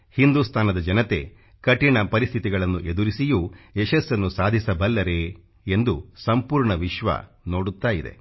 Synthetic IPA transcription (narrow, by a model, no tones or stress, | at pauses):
hind̪ust̪ʰaːnɐd̪ɐd͡ʒɐnɐt̪e̞̰ | kɐʈiɳɐpɐɾist̪ʰit̪iɡɐɭɐnːuʔed̪uɾisijueʃɐsːɐnːusaːd̪ʱisɐbɐlːɐɾe̞ | end̪usɐmpuːɾɳɐʋiʃʋɐ̰ | no̞ːɽut̪ːaːjid̪e̞̰